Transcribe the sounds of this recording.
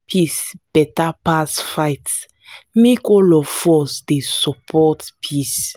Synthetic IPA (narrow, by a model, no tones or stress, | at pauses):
pʰisb̥ɛtapasfajts | mekɔlɔfɔsdesɔpʰɔtpʰis